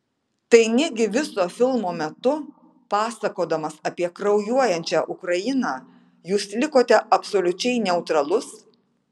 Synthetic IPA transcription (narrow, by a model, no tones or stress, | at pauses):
t̪ɐɪnʲɛɡʲɪʋʲɪsoːfʲɪlˠmoːmʲɛt̪ʊ | pɑːsɐkoːd̪ɐmɐsɐpʲiɛkɾɒʊjuɔjɛnʲt͡ʃʲæːʔʊkɾɐjɪnɑː | juːslʲɪkoːt̪ʲɛʔɐpsoːlʲʊt͡ʃʲɛɪnʲɛʊt̪ɾɐlˠʊs